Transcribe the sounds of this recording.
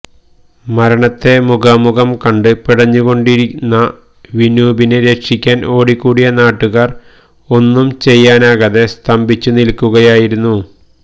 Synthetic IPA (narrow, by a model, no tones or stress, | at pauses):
mɐɾɐɳɐt̪ːe̞muɡɐmuɣɐmkɐɳɖɨpiɽɐɲːuɣo̞ɳɖiɾinːɐ | ʋinuːbineɾe̞kʂikʲːaːno̞ːɽikːuːɽijɐnaːʈːuɣaːr | o̞nːumt͡ɕe̞jːaːnaːɣɐðe̞st̪ʰɐmbʱit͡ɕːunilkːuɣɐjaːjiɾunːu